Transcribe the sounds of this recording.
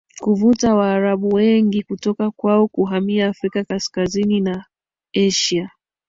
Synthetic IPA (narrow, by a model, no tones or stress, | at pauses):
kuvutawaːɾaɓuwɛŋɡikutɔkakwaɔkuɦamiaːfɾikakaskazinina | ɛʃia